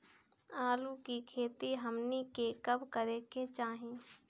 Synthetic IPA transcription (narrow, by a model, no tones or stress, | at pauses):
aːlukikʰeːt̪iɦəmnikekɐbkəɾeːket͡ʃaːɦĩː